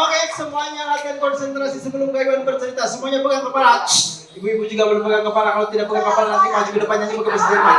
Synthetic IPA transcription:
okejaksəmuaɲalat̪iankɔnsɛnt̪ɾasisəbəlʊmkaibanbərt̪əɾit̪asəmuaɲabəɡaŋkapala | ibuibud͡ʒuɡabəlbəɡankəpalakalat̪idak̚bəɡaŋkəpalanant̪imad͡ʒukədəpaɲaɲabukabəst̪ima

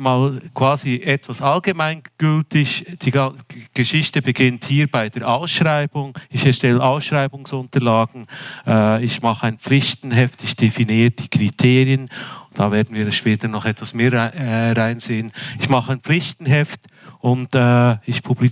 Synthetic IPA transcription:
maːlkʰv̥aːziʔɛtv̥asʔɑlɡəmaɪnɡ̥ʏltɪçd̥iːɡaɡ̥əʃɪçtəbəɡɪnthiːɾbaɪdeːɐɾʔaʊsʃʁaɪb̥ʊŋɪçɛɐʃtɛləʔaʊsʃʁ̥aɪbʊŋsʊntəlaːɡ̥n̩ʔɛːɪçmɑχəaɪnp͡flɪçtn̩ɦɛftɪçd̥efiniːɾəd̥iːkʁ̥itʰeːʁjənd̥aveːɐdn̩viːɾʃpɛːtənɔχɛtv̥asmeːʁaɪnzeːənɪçmɑχəaɪnp͡flɪçtn̩ɦɛft | ʊntɛːɪçpʰubli

